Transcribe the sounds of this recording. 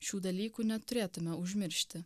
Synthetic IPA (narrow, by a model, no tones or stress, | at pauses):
ʃʲuːd̪ɐlʲiːkunʲɛt̪ʊɾʲeːt̪ʊmʲɛʊʒʲmʲɪɾʲʃʲt̪ʲɪ